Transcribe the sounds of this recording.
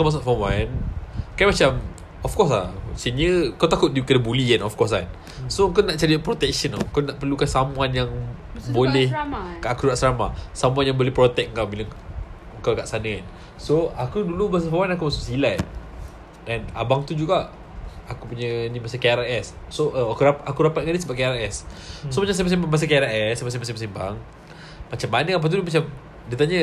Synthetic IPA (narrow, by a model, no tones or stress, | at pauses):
kamas̬ʊʔfawankajmat͡ʃam | ɔfkɔs̬la̰sinjəkawt̪akʊt̪̚dikədəbuliɛnɔfkɔs̬a̰n | soəŋkanaʔt͡ʃaɾipɾot̪ɛk̚ʃənɔ̰əŋkanaʔpərlukansamuanjaŋ | bolɛhkaakuɾaʔsɾamasamũanjaŋbolɛhpɾot̪ɛk̚ŋkawbiləŋ | əŋkawɡaʔsanəan | soakudulumas̬afawanakumasʊksilat | ɛna̰baŋt̪ud͡ʒuɡaʔ | akupuɲənĩmasakeaɾaɛssoʔəakuɾapʔakuɾapat̪̚ŋanisəbaʔkeaɾɛssomat͡ʃams̬amas̬imbaŋbas̬akeɾaɛsamasĩmasĩmasiŋba̰ŋ | mat͡ʃamanəkap̬aht̪̬ulumat͡ʃam | dit̪aɲə